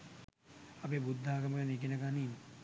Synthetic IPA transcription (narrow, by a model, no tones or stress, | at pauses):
ɐpeːbud̪ʱːaːɡɐmɐkɐnik̬inɐkaniːm